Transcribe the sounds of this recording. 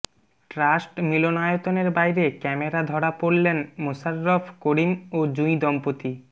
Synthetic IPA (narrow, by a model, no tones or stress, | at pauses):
ʈɾasʈmilonajot̪oneɾbajɾekɛmeɾad̪ʱɔɽapoɽlenmusaɾːofʰkoɽimod͡ʑuj̃d̪ɔmpot̪i